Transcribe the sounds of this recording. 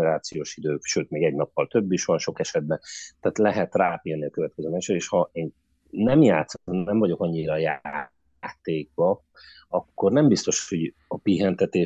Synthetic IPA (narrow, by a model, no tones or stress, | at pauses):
ɛɾaːt̪sijoːʃid̪øːkʃøːt̪meːɡɛɟnɒpːɒlt̪ø̞bːiʃʋɒnʃo̞kɛʃɛd̪̚bɛnt̪ɛːt̪lɛɦɛt̪raːpilniɒkøvɛt̪̚kɛzøːmɛʃøeːʃhɒeːnː | ɛmjaːt̪snɛɱvɒɟo̞kɒɲːiɾɒjaː | t̪eːɡ̚bɒ | ɒkːo̞rnɛmbist̪o̞ʃho̞ɟ | ɒpiɦɛnt̪ɛt̪eː